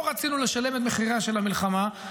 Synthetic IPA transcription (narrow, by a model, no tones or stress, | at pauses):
oʁat͡sinule̞ʃale̞met̪̬me̞χiʁaʃe̞lamilχama